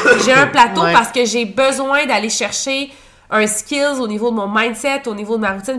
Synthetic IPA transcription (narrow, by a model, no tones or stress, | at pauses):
ʒeɛ̃plat̪opaʁsə̥kəʒebəzwɛ̃d̪aleʃɛʁʃe | ə̃skʲɪlzonivod̪əmɔ̃mãjnd̪sɛt̪onivod̪əmaʁut̪ɪn